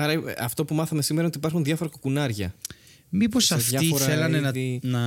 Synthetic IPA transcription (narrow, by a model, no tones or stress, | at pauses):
ɐɾɐɐft̪o̞pumɐθɐme̞simeɾɐo̞t̪ipɐɾxunðʝɐfo̞ɾɐkokunɐɾʝɐ | miposɐfðtʝɐioɾɐelɐnentinɐ